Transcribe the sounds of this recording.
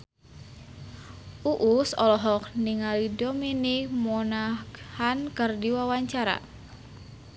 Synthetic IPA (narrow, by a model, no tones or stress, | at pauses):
uʔusɔ̰lɔɦɔk̚niŋalidɔminimɔnahankərdiwawaɲt͡ʃaɾa̰